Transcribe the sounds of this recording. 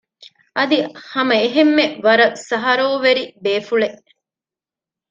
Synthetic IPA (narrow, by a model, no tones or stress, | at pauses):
ʔɐd̪ihɐmɐeɦemːeʋɐɾɐsɐɦɐɾoːʋeɾibeːfuɭeʔ